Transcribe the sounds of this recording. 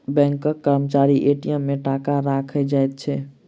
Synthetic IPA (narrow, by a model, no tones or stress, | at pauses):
bɛ̃ŋkːəkːəɾmət͡ʃaɾiʔeʈijəmːeʈakaɾakʰɛd͡ʒajt̪̚t͡ʃʰɛ